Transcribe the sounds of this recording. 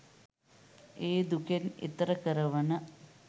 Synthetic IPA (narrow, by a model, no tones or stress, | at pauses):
iːd̪ukɐnḭt̪rɐkɐɾɐʋɐɳɐ